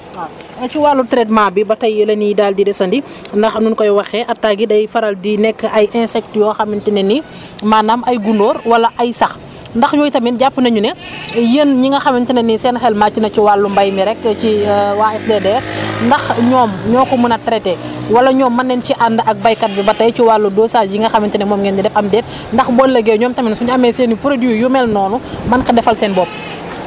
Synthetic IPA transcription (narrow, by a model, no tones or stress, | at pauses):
nɐt͡ʃiwaːlːutɾɛt̬maːbibɐtɐjəlɐnidaːldidɛsɐndi | ndɐxnunkɔjwɐxɛʔɐtːaɡidɐjfɐɾɐldinɛkːəʔɐjʔɛ̃nsɛk̚tjɔxɐmintinɛni | maːnamɐjɡundoːɾwɐlɐʔɐjsɐx | ndɐxjoːjtɐminɟapːənɐɲunɛjəːnɲiŋɐxɐmintinɛnisɛnxɛlmacinɐciwaːlːumbɐjmiɾɛkːt͡ʃiwaːɛsdɛdɛːɾndɐxɲɔːmɲɔːkɔmunɐtɐɾɛtɛwɐlɐɲɔːmːɐnːɛnciʔandɐʔɐk̚bɐjkɐt̚bibɐtɐjciwaːlːudɔːsaːɟiŋɡɐxɐmintinɛmɔːmɡɛnd͡ʒidɛfɐmdɛːt̚ | ndɐxbɔlːɐɡeːɲɔːmtɐminsuɲɐmɛsenipuɾɐdiwujumɛlnɔːnumɐnkɐdɛfɐlsɛːnbɔp̚